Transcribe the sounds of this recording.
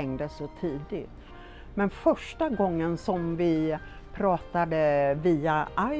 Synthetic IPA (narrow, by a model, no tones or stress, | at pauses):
ɛŋd̪əsɔt̪ʰiːd̪ɪt̪ | mɛnfœʂʈaɡɔŋːənsɔmvɪ | pʰɾɑːt̪ad̪əviːaʔa